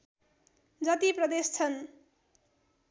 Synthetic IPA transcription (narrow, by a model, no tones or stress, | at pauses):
d͡zʌt̪iprʌd̪est͡sʰʌn